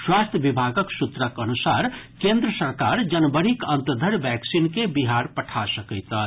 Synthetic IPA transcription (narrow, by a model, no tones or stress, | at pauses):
swast̪ʰjəbibʱaɡəksut̪ɾəkənusaɾkend̪ɾəsəɾkaɾd͡ʒənbəɾikənt̪əd̪ʱəɽbɛksinkebiɦaɾpəʈʰasəkəjt̪ə